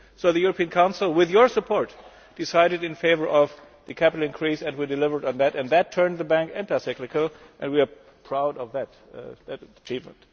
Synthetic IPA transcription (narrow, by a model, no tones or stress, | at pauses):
soʊðɨjuɹəpʰĩɨ̃nkʰãʊ̃nsl̩ˠwɪðjə˞səpʰɔɹt | d̥ɨsaɪɾɨɾɨ̃nfeɪvə˞ʔʌv | ðɨkʰæpɪɾl̩ˠɨ̃nkʰɹ̥isɨ̃ndwidɨlɪvə˞dn̩ðætɨ̃nðɨtʰɜ̃˞nðəbæ̃ŋkɛ̃ntaɪsɛklɨkəl̩ˠʔɨ̃nd̚wiə˞ | pʰɹ̥aʊɾʌvðæt | ðætət͡ʃʰivmə̰̃nt